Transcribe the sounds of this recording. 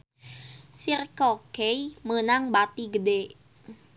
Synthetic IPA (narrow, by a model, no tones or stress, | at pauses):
sirkokejmənaŋbat̪iɡəde